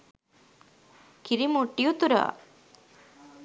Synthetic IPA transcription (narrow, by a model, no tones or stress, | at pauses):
kiɾimuʈːijut̪uɾa̰